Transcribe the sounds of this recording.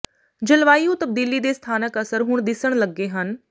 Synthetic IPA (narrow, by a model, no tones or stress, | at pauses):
d͡ʒəlʋaːijũt̪əb̚d̪iːlid̪eːst̪ʰaːnəkəsəɾɦʊɳ̃d̪ɪsəɽ̃ləɡːeːɦən